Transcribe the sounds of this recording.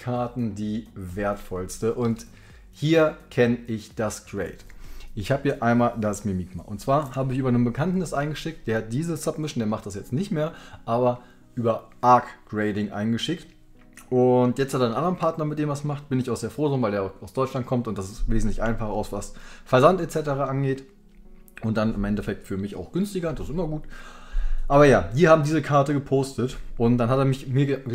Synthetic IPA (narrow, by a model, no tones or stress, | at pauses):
kʰaɐtn̩diːveːɐtfɔlstəʔʊnt | hiːɐkʰɛnɪçd̥asɡ̥ʁɛɪtʔɪçhaːbiːɐʔaɪnmaːldasmimiːkma̰ʔʊ̰ntt͡sv̥aːɐhaːbəɪçyːbɐnənbəkʰantn̩dasʔaɪnɡəʃɪk̚t̚d̥eːɐhat̚d̥iːzəsapmɪʃn̩deːɐmaχt̚d̥asjɛt͡stnɪçtmeːɐʔaːbɐ | ʔyːbɐʔaɐkɡ̥ʁeɪdɪŋʔa̰ɪnɡəʃɪk̚t | ʔʊntjɛt͡stʰhatːdnʔandɐʁənpʰaɐtnɐmɪt̚d̥eːmasmaχt̚b̥ɪnɪçaʊxz̥eːɐfʁ̥oːdʁɪnvaɪldeːɐaʊxaʊsd̥ɔʏt͡ʃlant̚kʰɔmtʊntd̥asɪsveːzn̩tlɪçʔaɪnfaχɐaʊsv̥asfɛɐzantɛt͡sɛtəʁaːʔanɡeːt | ʔʊnt̚d̥anɪmʔɛntɛfɛk̚tfyːɐmɪça̰ʊxɡ̥ʏnstɪɡɐd̥asɪsʔɪmɐɡuːt | ʔaːbɐjaːv̥iːɐhaːbm̩diːzəkʰaɐtəɡəpʰoːstətʔʊntd̥anhateːɐmɪçmiːɐə